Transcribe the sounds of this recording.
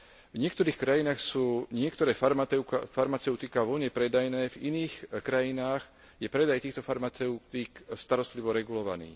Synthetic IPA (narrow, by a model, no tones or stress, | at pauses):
vɲɪɛkt̪ɔɾiːxkɾajinaːxsuːɲɪɛkt̪ɔɾɛːfaɾɛfaɾmat͡sɛʊt̪ikaʋɔɲɛpɾɛd̪ajnɛːvḭniːxkɾajinaːɣ | jɛpɾɛd̪ajt̪iːxt̪ɔfaɾmat͡sɛʊt̪ikst̪aɾɔst̪liʋɔɾɛɡulɔʋa̰nḭː